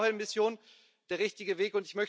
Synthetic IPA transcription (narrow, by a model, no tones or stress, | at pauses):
hɛmɪsjoːn | d̥eːɐʁɪçtɪɡəveːkʊntɪçmœç